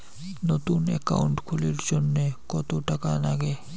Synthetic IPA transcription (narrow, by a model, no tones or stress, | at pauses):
not̪unɛ̰ka̰uɳʈkʰoleɾd͡ʑonːekɔt̪oʈakanaɡe